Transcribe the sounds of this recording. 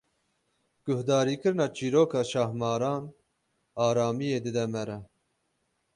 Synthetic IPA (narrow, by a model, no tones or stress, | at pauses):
ɡ̥ʊhd̪ɑːɾiːkɨɾnɑːt͡ʃiːɾoːkʰɑːʃɑhmɑːɾɑːn | ɑːɾɑːmijeːd̪ɨd̪ɛmɛɾɛ